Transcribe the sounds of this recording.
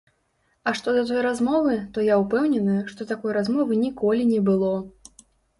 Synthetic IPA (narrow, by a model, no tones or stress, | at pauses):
ɐʂt̪ɔd̪ɐt̪̬ɔjɾazmɔvɨt̪ɔjaupɛwnʲɛnɨʂt̪ɔt̪akɔjɾazmɔvɨnʲikɔlʲinʲɛbɨlˠɔ